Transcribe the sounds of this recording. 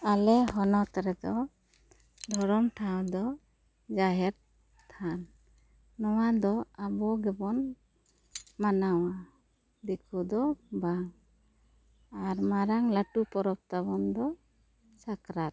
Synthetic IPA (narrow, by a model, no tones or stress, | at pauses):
alɛɦɔnɔt̪aɾɛd̪ɔ | d̪ʱɔɾɔmʈʰawd̪ɔ | d͡ʒaɦɛɾ | t̪ʰanː | ɔwad̪ɔabɔɡɛbɔn | manawa | d̪ɛkʰud̪ɔbaŋ | aɾmaɾaŋlaʈupɔɾɔp̚t̪abɔnd̪ɔ | sakɾat̪̚